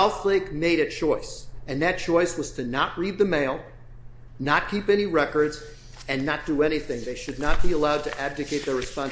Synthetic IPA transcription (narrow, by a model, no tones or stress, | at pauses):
lˠθleɪkmeɪɾɨt͡ʃʰɔɪsɨ̃nðɨt̚t͡ʃʰɔɪswʌz̥tʰɨnəʔ̚ɹid̪̚ðɨmeɪlˠ | nət̚kʰipɛniɹɛkə˞dz | ɨ̃nːət̚d̥ɨɛñiθɪ̃ŋðeɪʃɨdⁿnət̚b̥iəlaʊd̚tʰɨʔæb̚dɨkʰeɪt̪̚ðə˞ɹɨspɑ̃n